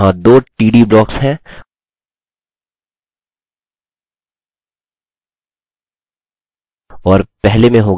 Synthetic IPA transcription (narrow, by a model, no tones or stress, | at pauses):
ɦãd̪oːʈiːɖiblɔːksɦɛ̃ | ɔːɾpɛɦlemẽɦoː